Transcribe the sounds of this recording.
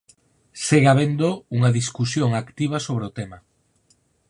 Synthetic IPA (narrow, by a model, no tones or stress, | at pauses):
seɣaβend̪ouŋaðiskusjoŋakt̪iβ̞ɐsoβ̞ɾeʊt̪ema